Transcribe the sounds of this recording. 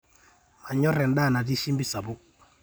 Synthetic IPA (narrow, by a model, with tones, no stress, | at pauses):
ma˨ɲɔ˦ɾɛ˨n˦ɗa˦˨na˨ti˦ʃi˦mbi˦sa˨bʊ˦